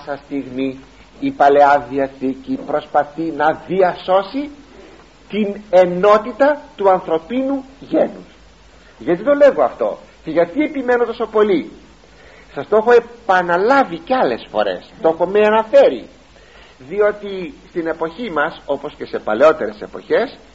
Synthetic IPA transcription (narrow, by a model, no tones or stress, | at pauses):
sɐst̪iɣmiː | pɐle̞ɐðiɐθicipɾo̞spɐθinɐðiɐso̞si | t̪ine̞no̞t̪it̪ɐt̪uɐnθɾo̞pinuʝe̞nus | ʝɐt̪it̪o̞le̞ɣo̞ɐft̪o̞̰ce̞ʝɐt̪ie̞pime̞not̪o̞so̞po̞li | sɐst̪o̞xo̞e̞pɐnɐlɐviceɐle̞sfo̞̰ɾe̞̰st̪o̞xo̞meɐnɐfe̞ɾḭ | ðio̞t̪ist̪ine̞po̞çimɐso̞po̞sce̞se̞pɐle̞o̞t̪e̞ɾe̞se̞po̞̰çe̞s